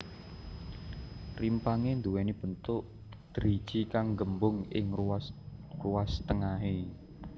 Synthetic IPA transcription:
rimpaŋend̪uwenib̥ənt̪ʊʔ | d̪̥əɾid̥ʒ̥ikaŋɡəmbʊŋɪ̰ŋ | ruast̪əŋaɦe

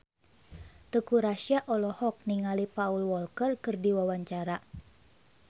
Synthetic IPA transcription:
t̪əkuɾaʃiaʔɔlɔhɔk̚niŋalipaulwɔlkərkɨrdiwawaɲt͡ʃaɾa

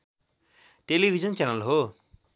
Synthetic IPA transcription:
ʈelibʱid͡zʌnt͡ɕanalɦo

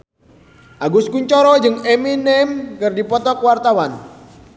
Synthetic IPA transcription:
ʔaɡʊskuɲt͡ʃɔɾɔd͡ʒɨŋɛminɛmkɨrdipɔt̪ɔkwart̪awan

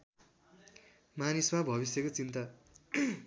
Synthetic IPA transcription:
manismabʱʌβisjʌkot͡sint̪a

